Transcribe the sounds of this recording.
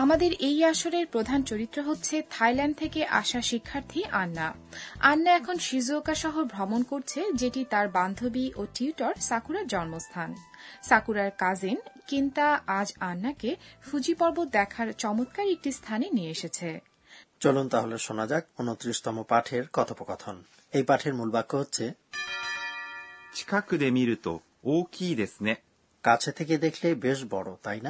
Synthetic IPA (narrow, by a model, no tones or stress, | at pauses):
amad̪eɾejaʃoɾeɾpɾod̪ʱant͡ɕoɾit̪ːɾoɦotːɕʰet̪ʰajlanɳɖ̚t̪ʰekeʔaʃaʃikʰːaɾt̪ʰiʔanːa | anːaɛkʰonʃizokaʃɔɦoɾbʱɾɔmonkoɾt͡ɕʰed͡ʑeʈit̪aɾband̪ʱobiʔoʈiuʈaɾsakuɾaɾd͡ʑɔnmost̪ʰansakuɾaɾkad͡ʑinkint̪aad͡ʑanːakefud͡ʑipɔɾbot̪̚d̪ɛkʰaɾt͡ɕɔmot̪kaɾiek̚ʈist̪ʰanenieeʃet͡ɕʰe | t͡ɕolunt̪aɦoleʃonad͡ʑak̚onot̪ːɾiʃt̪ɔmopaʈʰeɾkɔt̪ʰopokɔt̪ʰon | ejpaʈʰeɾmulbakʰːoɦotːɕʰe | t͡ɕʰi̥kakɯd̪emiɾut̪o̰ | okid̪esne | kat͡ɕʰet̪ʰek̬ed̪ekʰlebeʃ̬bɔɽot̪ajna